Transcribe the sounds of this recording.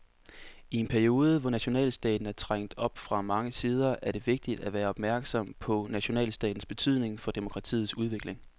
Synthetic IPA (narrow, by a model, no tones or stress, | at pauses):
ie̝npʰæɐio̝ːð̞ˠəʋɒnæɕo̝nɛ̰ːlsd̥ɛ̰ːd̥n̩æɐt͡sʰʁaŋ̰d̥ɒ̽b̥fʁɑ̈mɑ̈ŋəsiːð̞ˠɐʔæɐɾ̥e̝ʋe̝ɡ̥̚d̥id̥æʋæːɐɒ̽b̥mæɐɡ̥sɒ̽m̰pʰɒ̽næɕo̝nɛ̰ːlsd̥ɛ̰ːd̥n̩sb̥e̝t͡sʰyð̞̰ˠne̝ŋfɒ̽d̥e̝mo̝kʰʁɑ̈t͡sʰḭːð̩ˠsuð̞ˠʋe̝ɡ̥le̝ŋ